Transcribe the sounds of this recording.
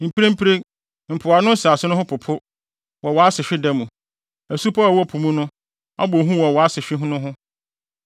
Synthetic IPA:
m̩˨pʰi˦ɾe˦m̩˦pʰɾe˦ | m̩˨pʰʊ˨a˨nʊ̃˦n̩˦sɪ˨a˨sɪ˦nʊ̃˦hʊ̃˦pʰʊ˨pʰʊ˦ | wɔ˨wɔ˨a˦sɪ˨ɕᶣɪ˦dɛ˦mũ˨ | æ˨su˦pʰa˦a˨wɔ˦pʰu˨mũ˦nʊ̃˦ | a̰˦bo˨ɦũ˦wɔ˨wɔ˨a˦sɪ˨ɕᶣɪ˦ɦʊ̃˦nʊ̃˦ɦʊ̃˦

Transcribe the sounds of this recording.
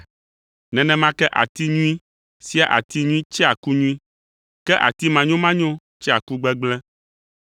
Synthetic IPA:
nɛ̃˨nɛ̃˨mã˦kɛ˦ʔa̰˨t̪i˦ɲũ˦i˦ | si˦a˦ʔa̰˨t̪i˦ɲũ˦i˦t͡ʃɛ˦a˨ku˦ɲũ˦i˦ | kɛ˦ʔa̰˨t̪i˦mã˨ɲõ˦mã˦ɲõ˦ | t͡ʃɛ˦a˨ku˦ɡ͡bɛ˦ɡ͡blɛ˦

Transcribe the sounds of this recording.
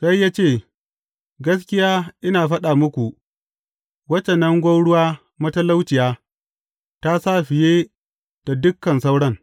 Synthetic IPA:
ka˦jːaː˦t͡ʃeː˦˨ | ɡɐ˦skʲɪ˦jaː˦ʔɪ˦naː˨ɸɐ˦ɗaː˨mʊ˦kʷu˨ | wɐ˦t͡ʃɐ˨nɐ˦ŋɡʷa˦wɽʊ˦waː˦ | mɐ˦tɐ˦la˦wt͡ʃɪ˨jaː˦ | ta˦sa˦˨ɸɪ˨jeː˦ | d̥a˨dʊ˦kːɐ˨nsa˦wɽɐ˦˨ŋ

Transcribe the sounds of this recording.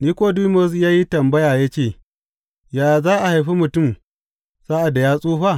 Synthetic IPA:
niː˦kʷoː˦duː˦mɔ˦s̬jaː˦ji˦tɐ˨mbɐ˦jaː˨ja˦t͡ʃeː˦˨ | jaː˨zaː˦ʔa˨ha˨jɸi˦mʊ˨tʊ˦m | saː˦ʔa˨da˨jaː˦sʼuː˦ɸa˦˨

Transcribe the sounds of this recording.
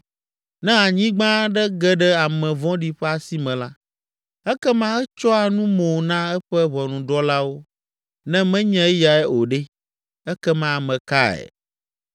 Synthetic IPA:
nɛ̃˦a˨ɲĩ˦ɡ͡bã˦ɖɛ˦ɡɛ˦ɖɛ˦a˨mɛ̃˨vɔ̃˦ɖi˨ɸɛ˦a˨si˦mɛ̃˨la˦ | ɛ˦kɛ˦mã˦ɛ˦t͡ʃɔ˦a˨nũ˦mo˨nã˦ɛ˦ɸɛ˦βɔ˨nũ˨ɖɔ˦la˦wo˦ | nɛ̃˦mɛ̃˦ɲɛ̃˦ja˨ɛ˦o˨ɖɛ˦ | ɛ˦kɛ˦mã˦˨mɛ̃˨ka˦ɛ̰˨

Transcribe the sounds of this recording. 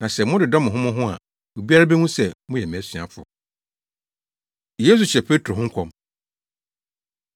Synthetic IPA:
nã˨sɛ˨mʊ̃˦dɪ˨dɔ̃˦mɪ̃˨ɦʊ̃˦mʊ̃˦ɦʊ̃˦a̰˨ | o˨bi˦a˦ɾa˦bɛ˦nũ˦sɛ˨mʊ̃˦jɛ˨m̃˨æ˨˦sɥa̰˨fʊ̰˨ | je˦s̬u˨t͡ɕʰɛ˨pʰe˦tʰɾo˨ɦʊ̃˦ŋ̩˦kʰɔ̃˨m

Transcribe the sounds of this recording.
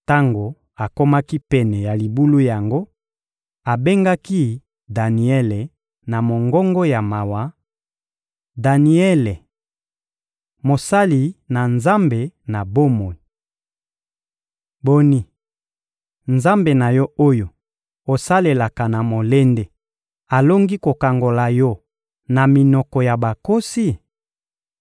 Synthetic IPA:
ta˦ŋɡo˨ | a˨ko˦ma˦ki˦pɛ˨nɛ˨ja˨li˨bu˦lu˦ja˨ŋɡo˦ | a˨be˦ŋɡa˦ki˦ | da˨ni˨ɛ˦le˨ | na˨mo˨ŋɡɔ˦ŋɡo˦ja˨ma˨wa˨˦ | da˨ni˨˦ɛ˦le˨ | mo˨sa˦li˨na˨nza˦mbe˨na˨bo˦mo˨i˨ | bo˦ni˦ | nza˦mbe˨na˨jɔ˦o˦jo˨ | o˨sa˦le˨la˨ka˨na˨mo˨le˦nde˦ | a˨lo˦ŋɡi˦ko˨ka˨ŋɡo˨la˨jɔ˦ | na˨mi˨nɔ˨kɔ˨ja˨ba˨ko˦si˦

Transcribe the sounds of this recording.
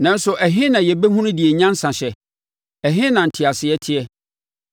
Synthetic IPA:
nã˦n̩˦sʊ˨ʔæ˨ɦɪ̃˦nã˨jɛ˨be˦ɦũ˦nʊ̃˦di˨ɛ˨ɲã˦n˦sã˨ɕɛ˨ | æ˨ɦɪ̃˦nã˨n̩˨tʰɪ˨a˨sɪ˨ɛ˦tʰɪ˦ɛ˦

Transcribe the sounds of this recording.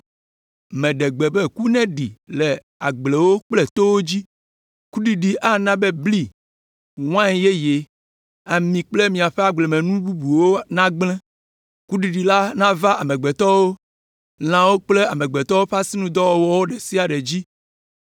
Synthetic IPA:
mẽɛ̃˨ɖe˨ɡ͡be˨be˦ku˦nɛ̃˦ɖi˨le˨ | a˨ɡ͡ble˨wo˦k͡ple˨t̪o˦wo˦d͡ʑi˦ | ku˦ɖi˨ɖi˨ʔa˦nã˦be˦bli˦ | w̃ã˦je˦je˨ | a˨mĩ˨k͡ple˦mĩ˨a˨ɸe˦a˦ɡ͡ble˨mɛ̃˨nũ˦bu˦bu˨wo˦nã˦ɡ͡blɛ̃˦ | ku˦ɖi˨ɖi˨la˦nã˦va˦ʔa˨mẽ˨ɡ͡be˨t̪ɔ˦wo˦ | l̃ã˨wo˦k͡ple˦a˨mẽ˨ɡ͡be˨t̪ɔ˦wo˦ɸa˦si˦nũ˦d̪ɔ˦wɔ˦wɔ˦wo˦ɖe˨si˦a˨ɖe˨d͡ʑi˦

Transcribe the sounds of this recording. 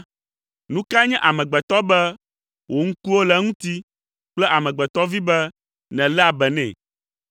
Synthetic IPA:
nũ˦ka˦ɲɛ̃˦ʔa˨mɛ̃˨ɡ͡bɛ˨t̪ɔ˦bɛ˦ | wʔo˨ŋ̩̃˦ku˦wo˦lɛ˦ŋũ˦t̪i˦ | k͡plɛ˦ʔa˨mɛ̃˨ɡ͡bɛ˨t̪ɔ˦vi˦bɛ˦ | nɛ̃˨lɛ˦a˨bɛ˨nɛ̰̃˨

